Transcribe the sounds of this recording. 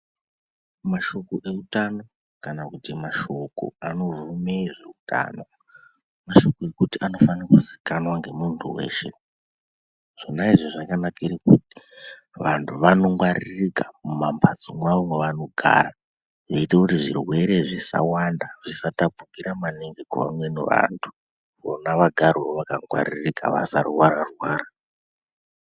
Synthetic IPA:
maʃo̞koʔe̞utano̞ | kanakutimaʃo̞ko̰ano̞rumeʐeutʰa̰ːno̞ | maʃo̞koe̞kutiano̞fankuzikanwaŋɡe̞muntʰuwḛːʃe̞̰ | ʐ̥inaiʐoʐakanakiɾikuti̥ | ʋantʰuʋano̞ŋɡwaɾirikamumampʰat͡somwaomweʋano̞ɡʱa̰ːɾa | ʐeitekutiʐirwe̞ɾe̞ʐisa̰wandaʐisatapukiɾamaneŋɡekuʋa̰mwe̞nḛʋa̰ntʰu̥ | o̰naʋaɡʱaɾioʋakaŋɡwa̰ɾirika̰ʋa̰sa̰rwaɾarwaːɾa

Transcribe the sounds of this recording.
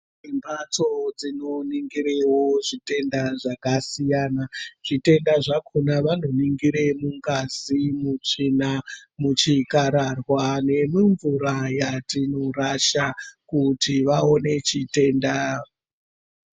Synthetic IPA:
imbʱat͡so̞d͡zino̞niŋɡiɾewo̞ʐite̞ndaʐakasijanaʐ̥ite̞ndaʐakʰonaʋanoniŋɡiɾemuŋɡazimut͡ʂinamut͡ʃikaɾarwane̞miɱvuɾajatinoɾaʃakutiʋao̞ne̞t͡ʃite̞ːnda

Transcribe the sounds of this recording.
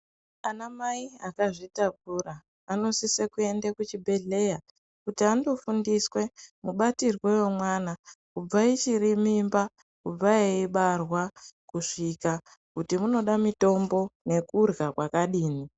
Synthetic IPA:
anamaiakaʐitak̚uraː | no̞sisekue̞ndekut͡ʃibʱe̞ɮe̞ja | kutiando̞fundiswe̞muɓatirwe̞womwanakub͡vait͡ʃiɾimimba | kub͡vaeiɓarwakuʂika | kutimuno̞ɗamito̞mbo̞ne̞kurɣakwakaɗiːni

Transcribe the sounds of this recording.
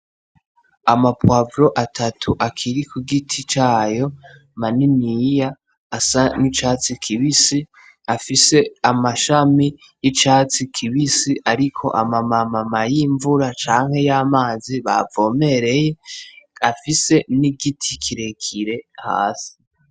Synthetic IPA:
amapwavɾo̞ʔatʰatʰuʔakʰiɾikuɡitʰit͡ʃaːjo̞ | maninijaː | sanit͡ʃaːt͡sikʰiβisi | afise̞amaʃami | jit͡ʃaːt͡sikʰiβisiʔaɾikʰo̞̰ʔamamamamajiːɱvuɾat͡ʃaːŋ̥he̞jamaːziβa̰vo̞ːme̞ɾe̞je̞afise̞niɡitʰikʰiɾekʰiɾe̞ha̰ːsi̥

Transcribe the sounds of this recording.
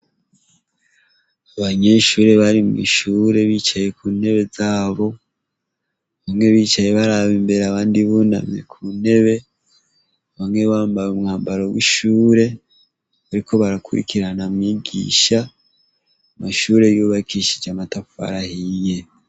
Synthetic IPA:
aβaɲe̞ːʃuːɾe̞βaɾimŋḭʃuːɾe̞βit͡ʃaje̞kuːne̞βe̞zaːβo̞ | βamŋe̞βiːt͡ʃaje̞βaɾaβimbe̞ɾaβaːndiβuna̰mɲḛkʰuːne̞βe̞ | βamŋe̞βaːmbajumŋaːmbaɾo̞wḭʃuːɾe̞ | βaɾikʰo̞βaɾakʰuɾḭkʰiɾanamɲiːɡḭːʃa | maʃuːɾe̞juːβakʰiʃid͡ʒamatafua̰ɾahije

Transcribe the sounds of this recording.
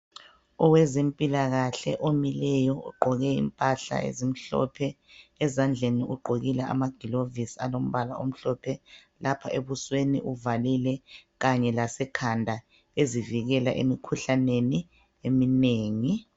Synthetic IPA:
ɔwɛzempʼilaɣaɬɛ̰ʔomilɛjɔṵɡ͡ǃʱɔɣɛḭmpʼaɬa̰ḛzim̩ɬɔ̰pʰɛːzand͡ɮʱeniʔuɡ͡ǃʱoɣilɛʔa̰maɡ̥ʱilovisalom̩βalaʔo̰m̩ɬɔpʰɛ | lapʰaʔeβuswenḭʔuvalilɛɣaɲɛlasɛkʰandʱa | eziviɣɛlaʔḛmikʰuɬaneni | emineːŋi

